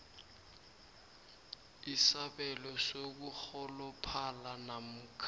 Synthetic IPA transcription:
isaɓɛlɔsok̬uxɔlɔpʰalanam̩kʰ

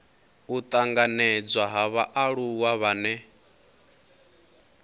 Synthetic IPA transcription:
ut̪ʼaŋɡanɛd͡zwaɦaβaʔaɺuwaβanɛ

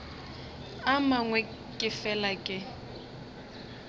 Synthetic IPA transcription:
amaŋwɛ | kʼɪfɛlakʼɪ

